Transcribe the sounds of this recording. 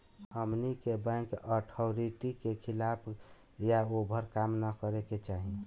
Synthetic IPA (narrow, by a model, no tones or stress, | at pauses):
əmnikebə̃kəʈʰɔɾiʈikekʰilapʰ | jaobʱəɾkamnəkəɾeket͡ʃaɦi